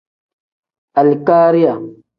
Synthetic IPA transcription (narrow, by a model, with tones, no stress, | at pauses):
a˨lkaː˦ɾi˦ja˨